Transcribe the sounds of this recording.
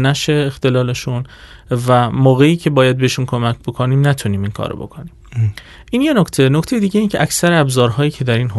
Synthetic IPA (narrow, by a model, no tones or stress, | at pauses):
næʃeːxt̪e̞lɒːleʃun | væmɒːɣe̞iːcʰe̞bɒːjæd̪̚beeʃunkʰomæcʰb̥o̞kʰoniːmnæt̪ʰuniːminkʰɒ̰ːɾo̰bo̞̰kʰoniːm | ʔiːnje̞nokʰt̪ʰe̞noct̪ʰejed̪iːɟeiːncʰeʔæcsæɾeæbzɒːɾɦɒːjiːcʰe̞d̪æɾiːnɦo